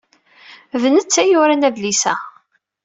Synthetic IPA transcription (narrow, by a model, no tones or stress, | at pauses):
vənət͡sːæjʊɾænæðlisæ